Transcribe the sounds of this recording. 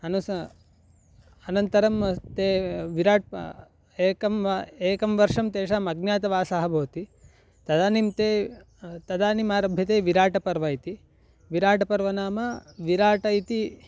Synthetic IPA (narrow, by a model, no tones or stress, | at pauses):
ɐnus | ɐnɐnt̪ɐɾɐmt̪eːʋiɾaːʈ̚ | eːkɐmeːkɐmʋɐɾʂɐmt̪eːʂaːmɐɡnjaːt̪ɐʋaːsaɦɐbʱoːt̪i | t̪ɐd̪aːnimt̪eː | t̪ɐd̪aːnimaːɾɐbʱjɐt̪eːʋiɾaːʈɐpɐɾʋɐːjt̪i | ʋiɾaːʈɐpɐɾʋɐnaːmɐʋiɾaːʈɐjt̪i